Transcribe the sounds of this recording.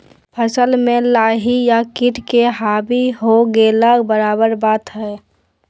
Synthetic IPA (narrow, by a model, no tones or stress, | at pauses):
pʰəsəlmẽlaːɦijakɪʈʰkeɦaːbiɦoɡeləɡbəɾaːbəɾbaːt̪ɦɛː